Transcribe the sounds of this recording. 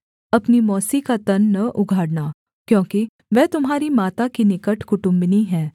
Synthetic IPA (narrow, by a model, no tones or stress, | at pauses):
ɐpnimɔːsikat̪ɐnːɐʔʊɡʱaːɽnaː | kjõːki | ʋɛːt̪ʊmɦaːɾimaːt̪akinɪkəʈʰkʊʈʊ̃mbniɦɛ̃ː